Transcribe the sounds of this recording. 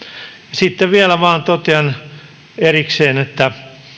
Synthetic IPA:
jɑsit̪ːeʋielæʋɑːnt̪ot̪eɑn | erikseːnet̪ːæ

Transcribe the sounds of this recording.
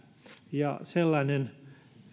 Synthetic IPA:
jɑ̰selːɑnʲen

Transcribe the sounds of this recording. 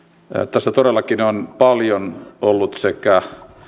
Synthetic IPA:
t̪æsːæt̪oɾelːɑkinonpɑljonʔolːut̪sekæ

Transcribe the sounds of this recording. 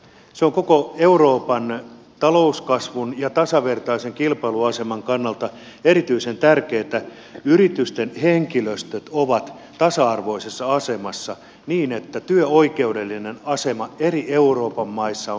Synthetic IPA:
seoŋkokoeuroːpɑn | t̪ɑlouskɑsʋunjɑt̪ɑsɑʋe̞rt̪ɑiseŋkilpɑluɑse̞mɑŋkɑnːɑlt̪ɑ | eɾit̪yisent̪ærkeːt̪æ | yrit̪yst̪enheŋkiløst̪øt̪oʋɑt̪ | t̪ɑsɑɑrʋo̞isesːɑɑse̞mɑsːɑ | niːnet̪ːæt̪yøoike̞ude̞lːinenɑse̞mɑerieuro̞ːpɑmːɑisːɑo

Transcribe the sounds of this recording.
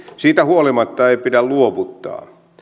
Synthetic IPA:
siːt̪æhuolimɑt̪ːɑeipidælluoʋut̪ːɑ̰ː

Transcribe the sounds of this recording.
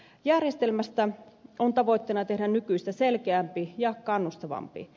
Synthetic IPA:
jærjest̪elmæst̪æont̪ɑʋo̞ijt̪ːenɑt̪e̞hdænnykyist̪æselkeæmpijɑkɑnːust̪ɑʋɑ̰mpḭ

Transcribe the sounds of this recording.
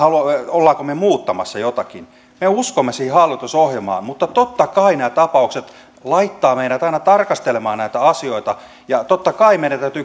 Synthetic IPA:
hɑluɑolːɑːkomemuːt̪ːɑmɑ̰sːɑjot̪ɑkin | meuskomːesiːhihɑlːit̪usohjɑmɑ̰ːnmut̪ːɑt̪ot̪ːɑkɑinæːt̪ɑpɑukset̪ | lɑit̪ːɑːmeiɾæt̪ɑinɑt̪ɑrkɑst̪elemɑːnnæit̪æɑsioit̪ɑ | jɑt̪ot̪ːɑkɑimeiɾæt̪æyt̪y

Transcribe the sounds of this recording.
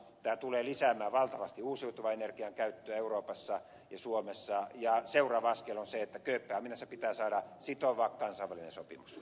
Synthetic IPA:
t̪æːt̪uleːlisæmæːʋɑlt̪ɑʋɑst̪iuːsiut̪uʋɑenerkiɑŋkæyt̪ːøæeuroːpɑsːɑ | jɑsuomesːɑjɑseurɑːʋɑɑskelonseet̪ːækøːpːæːhɑminæsːepit̪æːsɑːdɑsit̪oʋɑkkɑnsɑiʋælinḛnsopḭmus

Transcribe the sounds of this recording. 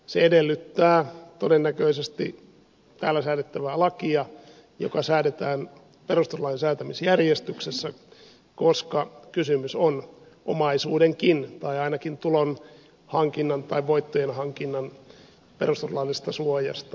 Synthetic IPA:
seedelːyt̪ːæːt̪odenːækøisest̪ḭ | t̪æːlːæsæːɾet̪ːæʋæːlɑkiɑ | jo̰kɑsæːdet̪æːn | perust̪orlɑːensæːt̪æmisjærjest̪yksesːæ | koskɑkysymyson | ʔo̰mɑisuːdeŋkint̪ɑiɑinɑkint̪ulon | hɑŋkinːɑnt̪ɑiʋʋoit̪ːojenhɑŋkinːɑn | perust̪orlɑlːˑist̪ɑsuojɑ̰st̪ɑ

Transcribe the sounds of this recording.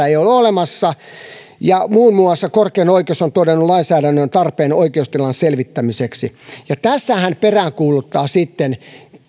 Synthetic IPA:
æeiololemɑsːɑ | jɑmuːnmuɑsːɑkorkeːnoikeosont̪odenːulɑinsæːɾænːønt̪ɑrpeːnoikeust̪ilɑnselʋit̪ːæmiseksijɑt̪æsːæhænperæːŋkuːlut̪ːɑːsit̪ːen

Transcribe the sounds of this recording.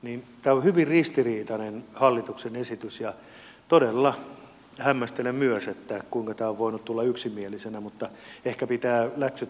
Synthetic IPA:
nint̪æːohyʋirrist̪iriːt̪ɑnenhɑlːit̪uksenesit̪ysjɑ | t̪odelːɑ | hæmːæst̪elemmyøset̪ːækuiŋkɑt̪æːoʋʋoinut̪t̪ulːɑyksimielisenæmut̪ːɑehkæpit̪æːlæksy

